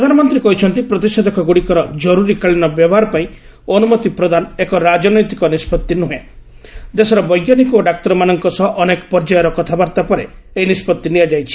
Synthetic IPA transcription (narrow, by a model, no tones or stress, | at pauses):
pɾɔd̪ʱanɔmɔnt̪ɾikɔɦit͡ʃʰɔnt̪ipɾɔd̪isad̪ɔkʰɔɡuɽikɔɾɔd͡ʒɔɾuɾikaɭinɔbjɔbɔɦaɾɔpaĩ | ɔnumɔt̪ipɾɔd̪anekɔɾad͡ʒɔnɔjt̪ikɔnispɔt̪ːinuɦẽ | d̪esɔɾɔbɔjɡjanikɔoɖak̚t̪ɔɾɔmanɔŋkɔsɔʔɔnekɔ̥pɔɾd͡ʒajɔɾɔkɔt̪ʰabaɾt̪apɔɾe | einispɔt̪ːiniad͡ʒajt͡ʃʰi̥